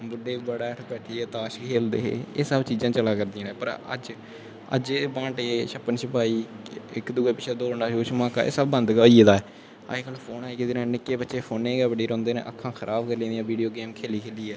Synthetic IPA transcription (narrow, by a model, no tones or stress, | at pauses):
bʊɖeːbəɽaːʈʰbɛːʈʰiːɛːt̪aːʃkʰeːld̪ḛːɦḛːeːsəbt͡ʃiːzãːt͡ʃəlaːkəɾd̪iãːɛːpəɾə̰d͡ʒ | ə̰d͡ʒeːbãːɳʈeʃəpənʃəpaːiːɪkd̪ʊɡeːpɪt͡ʃʰeːd̪oːɽnaːʃoːt͡ʃʰmãːka̰ːʔḛːsəbːənd̪kəeːd̪aːɛː | a̰ːekəlpʰoːnaːiːkɪd̪ɪːɾãːnɪkːeːbətːʃeːpʰoːneːɡɛːbəɽiːɾɔ̃ːnd̪eːnḛːʔə̰kʰːãːxʰəɾʔaːbkəɾlĩːnd̪ijãːʋiːɖijoːɡeːmkʰeːliːkʰeːliːɛː